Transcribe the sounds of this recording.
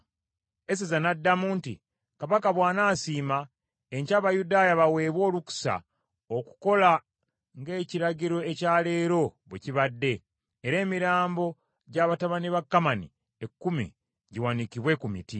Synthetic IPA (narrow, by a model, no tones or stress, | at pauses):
es̬izanadːamuːntḭ | kaβakaβwaːnaːsiːma | eɲcaːβajudaːjaβawe̞ːβwo̞ːluku̥sa̰ | oku̥ko̞la | ŋɡe̞ːciɾaɟiɾo̞ecaːle̞ːɾo̞βwḛciβadːe̞ː | ɾe̞ːmiɾaːmbo̞ | ɟaβataβaniβakːamanḭ | ekːumḭ | ɟiwanikiβwe̞kumiti